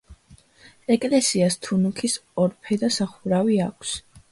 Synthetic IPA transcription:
ɛkʼlɛsiast̪ʰunukʰisɔɾpʰɛd̪asaχuɾaviakʰs

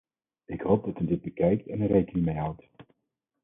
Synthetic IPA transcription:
ɪkɦowb̚dɑtəndɪd̚bəkɛjk̚tɛnənrejkənimejɦawt

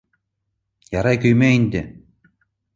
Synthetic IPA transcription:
jɑɾɑjkʲɵjmeinʲd̪ʲɘ̆

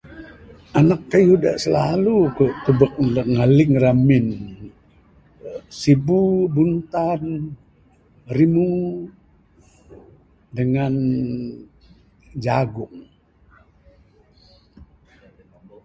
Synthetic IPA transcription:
ʔanakːajuda̰ʔsəlalukuʔt̪ubək̚lŋalɪŋramɪn | sibubunt̪an | rimu | dəŋan | d͡ʒaɡʊŋ

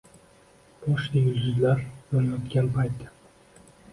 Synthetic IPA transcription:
b̥ɒʃajʊlɡʲʊzlaɾjoɾajɒt̪kʲanpʰajt̪ːɪ

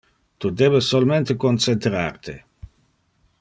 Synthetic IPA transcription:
t̪ud̪eːbesːolment̪ekont͡sent̪ɾa̰rt̪e

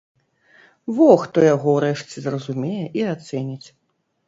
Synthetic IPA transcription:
vɔxt̪ɔjaɣɔwɾɛʂt͡sʲɛzrɐzumʲejɛʔiat̪sɛnʲit͡sʲ

